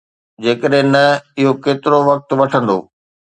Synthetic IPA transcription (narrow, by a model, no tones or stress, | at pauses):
d͡ʑeːkəɗɦɪ̃nɐɪɦokeːt̪ɪɾoʋɐk̚t̪ʋɐʈʰə̃nd̪o̰ː